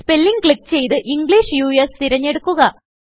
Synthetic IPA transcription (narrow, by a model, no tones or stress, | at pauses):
spe̞lːiŋɡkɭikːt͡ɕe̞jt̪ɨʔiŋɡɭiːʂjuːjest̪iɾɐɲːe̞ɽukːuɣɐ